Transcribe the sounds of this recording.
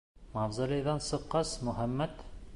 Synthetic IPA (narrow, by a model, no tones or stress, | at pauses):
mɑvzɑlʲijðɑnsɤ̆qːɑsmɵ̆ɦæmːæt̪